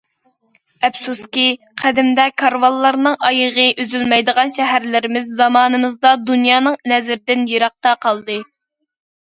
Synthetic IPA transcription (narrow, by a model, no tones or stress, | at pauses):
ɛpsuskʲi | qʰæd̪ɪmd̪ɛkʰɑɾvɑlˠːɑɾnɨŋɑjəʁəʔøzylmɛjd̪əʁɑnʃɛɦæɾlɪɾɪmɪzːɑmɑːnɨmɨzd̪ɑd̪unjɑːnɨŋnɛzɪɾɪd̪ɪnjeɾɑq̚t̪ɑqʰɑlˠd̪ɨ